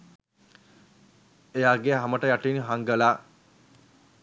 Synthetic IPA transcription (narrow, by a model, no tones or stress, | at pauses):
ejaːɡeɦaməʈəjaʈiːnɦaŋɡəlaː